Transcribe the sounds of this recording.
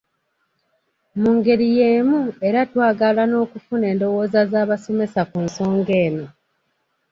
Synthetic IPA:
muŋɡe̞ɾije̞ːmue̞ɾatwaːɡalano̞ːkufune̞ːndo̞wo̞ːzazaːβaso̞me̞sakunso̞ːŋɡe̞ːno̞

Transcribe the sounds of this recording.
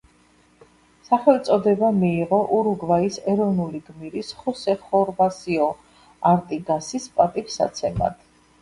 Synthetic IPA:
saχɛlt̪sʼɔd̪ɛbamiːʁɔʔuɾuɡvaisɛɾɔvnuliɡmiɾisχɔsɛχɔɾbasiɔ | aɾt̪ʼiɡasispʼat̪ʼipsa̰t̪sʰɛma̰d̪̥

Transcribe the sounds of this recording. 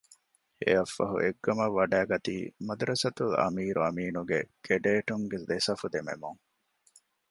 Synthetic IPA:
ḛɐfːɐɦṵʔeɡːɐmɐʋːɐɖæːɡɐt̪ḭːmɐd̪uɾɐsɐt̪ulɐ̰miːɾuɐmiːnuɡeɡ̥eɖeːʈuŋɡed̪esɐfud̪emḛmuŋ

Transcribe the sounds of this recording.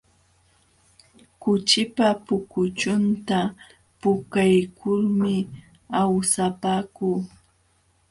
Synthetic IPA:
kʊt͡ʃɪpapʊkʊt͡ʃʊnt̪a | pʊkajkʰʊlmɪ | awsapaːkuː

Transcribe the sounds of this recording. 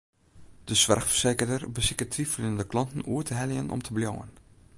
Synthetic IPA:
d̥əsʋɛrxfərseːkərdərbəsɪkətʰrifrɪnəndəklɑntən̩uətʰəɦɛljənʔɔ̰mtʰəbljo̰ːə̰n

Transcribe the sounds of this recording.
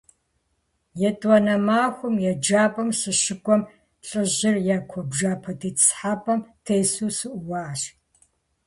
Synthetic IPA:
jɛtʼwɐnɐmaːxʷʊmjɛd͡ʒaːpʼɐmsɨʃɪɡʷʼɔm | ɬʼɨʑɪrjakʷʰɔbʒaːpʰɐtʰiːt͡sħaːpʰʼɐmtʰejsuːsɨʔʷʊwaːɕ

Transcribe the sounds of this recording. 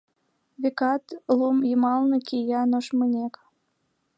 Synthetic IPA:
βekɑt̪lumjimɑlnɤ̆kʰʲijɑnoʃmənʲek

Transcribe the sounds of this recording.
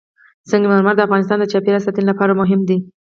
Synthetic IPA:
səŋɡmaɾmaɾd̪əafɣɑnɪst̪ɑnd̪ət͡ʃɑpeɾasat̪ənlapɑɾamʊɦɪmd̪i

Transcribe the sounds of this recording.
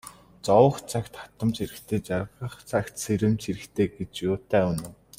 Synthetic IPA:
t͡sɔwə̆χt͡sʰakt̪χḁt̪ə̆mt͡ɕiɾɘ̆kt̪ʰeːt͡ɕarʁə̆χt͡sakt̪seɾɘ̆mt͡ɕʰiɾɘ̆kt̪ʰeːɡet͡ɕjoːt̪eːunʊ̆w

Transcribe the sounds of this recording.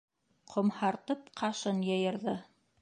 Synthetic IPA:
qʰŏmhɑɾt̪ɤp̚qʰɑʃɤnjɤ̆jɤ̆ɾðɤ

